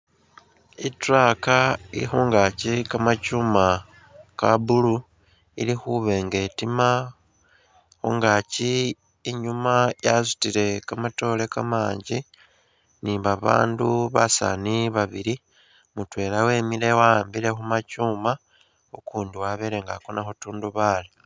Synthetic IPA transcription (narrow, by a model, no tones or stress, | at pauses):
itɾakaiixuːŋɡacikamat͡ʃuma | kabulu | ḭlixuβe̞ːŋɡe̞tima | xuːŋɡaci | iɲumajazu̥tile̞kamato̞ːle̞kamaːɲɟi | nimβaβa̰ːnduβa̰sa̰niβaβiɾi | mutwe̞ːlawe̞ːmile̞wambiɾe̞xumat͡ʃuːma | okuːndiwaβeɾeŋɡakonaxotuːnduβali